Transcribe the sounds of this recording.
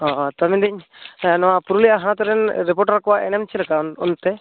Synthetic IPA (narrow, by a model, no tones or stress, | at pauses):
ɔt̪amind̪iɲnɔwapuɾulijaɦãt̪ɔɾɛnɾɛp̬ɔʈɾakɔwaʔɛnɛmt͡ʃʰilɛkaɔnt̪ɛ